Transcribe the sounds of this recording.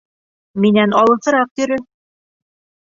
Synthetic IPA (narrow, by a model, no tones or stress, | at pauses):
minænɑlˠɤ̆sɤ̆ɾɑq̚t̪ɵ̆ɾɵ